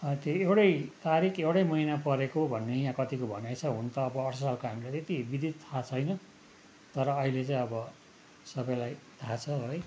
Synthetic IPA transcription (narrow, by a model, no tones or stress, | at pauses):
ʌt̪joewʈʌjt̪aɾikʰewʈʌjmʌinapʌɾekobʱʌnːeijãkʌt̪ikobʱʌnajt͡sʰʌɦunt̪ʌːbʌʌʈsʌsalkoɦamilat̪et̪ibid̪ʱit̪t̪ʰat͡sʰʌjnʌ | t̪ʌɾʌːɦilet͡sãĩʌbʌ | sʌbʌjlajt̪ʰat͡sʰʌɦoj